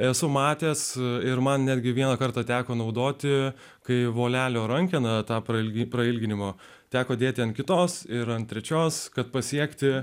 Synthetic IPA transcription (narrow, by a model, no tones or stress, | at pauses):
ɛsʊmɑːt̪ʲeːsɪɾmɐnnʲæːd̪ʲɡʲɪʋʲiɛnɐkɐrt̪ɑːt̪ʲæːkoːnɐʊd̪oːt̪ʲɪ | kɐɪʋoːlʲæːlʲoːɾɐŋʲkʲɪnɐt̪ɑːpɾɐɪlʲɡʲpɾɐɪlʲɡʲɪnʲɪmoː | t̪ʲæːkoːd̪ʲeːt̪ʲɪɐnkʲɪt̪oːsɪɾɐnt̪t̪ʲɾʲɛt͡ʃʲoːskɐt̪̚pɐsʲiɛkt̪ʲɪ